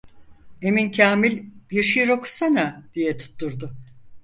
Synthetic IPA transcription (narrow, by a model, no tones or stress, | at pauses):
e̞mincʰaːmilʲb̥iɾʃijɾo̞kʰu̥sanad̪̥ijɛt̪ʰu̥t̪ʰːuɾd̪ʊ